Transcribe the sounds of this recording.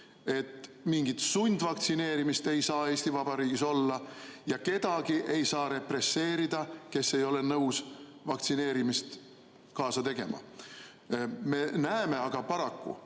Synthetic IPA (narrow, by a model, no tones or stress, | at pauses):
e̞t̪miŋɡit̪sunʲd̪vɑkt̪sine̞ːɾimist̪e̞jsɑːe̞ːsʲt̪ivɑb̥ɑɾiːɡiso̞lːɑjɑke̞d̪̥ɑɡiʔe̞jsɑːɾe̞pre̞sːe̞ːɾid̪̥ɑke̞sːe̞jo̞le̞nɤwsvɑkt̪sine̞ːɾimist̪ | kɑːsɑt̪e̞ɡ̥e̞mɑ̰ | me̞næeme̞ɑɡ̥ɑpɑɾɑkːṵ